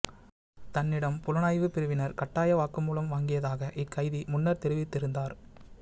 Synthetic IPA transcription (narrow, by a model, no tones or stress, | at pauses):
t̪ɐnːɪɽɐmpʊlɐnaːjʋɯpɪɾɯʋɪnɐɾkɐʈːaːjɐʋaːkɯmːuːlɐmʋaːŋɡɪjɐðaːɣɐʔɪkːɐɪðimʊnːɐɾt̪ɛɾɯʋɪt̪ːɪɾɯnd̪aːɾ